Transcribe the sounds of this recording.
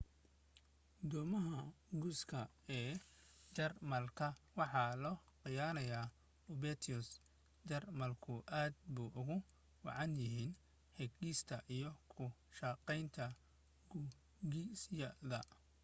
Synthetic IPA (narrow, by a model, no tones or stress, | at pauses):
d̪ɔːmɐɦɐɡuskʰɐ | ɛːt͡ʃɐrmɐlkʰɐwɑħɑːlɔːqɪjaːnɐjaː | ʊbɛt̪ʰʊs | d͡ʒɐrmɐlkʰʊʔaːd̪buːʔʊɣʊ | wɑ̰ʕɑnjɪɦiːn | ħɛɡiːst̪ʰɐʔijɔkʰʊʃɑqɛjnt̪ʰɐ | ɡu | ɡisjɐðɐ̰